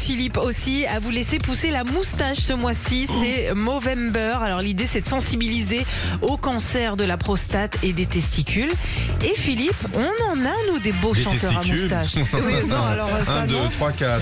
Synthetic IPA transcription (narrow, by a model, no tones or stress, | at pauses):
filiposiavulesepuselamust̪aʃsəmwasisɛmovɛmbœʁalɔʁlid̪esɛd̪əsɑ̃sibilize | okɑ̃sɛʁd̪əlapχɔst̪at̪ed̪et̪ɛst̪ikʲylefilipɔ̃nɑ̃nanud̪eboʃɑ̃t̪œʁamust̪aʃwinɔ̃alɔʁd̪t̪χwakat̪